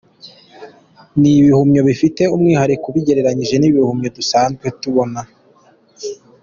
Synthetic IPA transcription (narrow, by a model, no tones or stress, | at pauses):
niβihumɲoβifite̞umŋiːhaɾikuβiɟe̞ɾe̞ɾaɲiʒe̞niβihumɲodusaːnzɡwetuβo̞na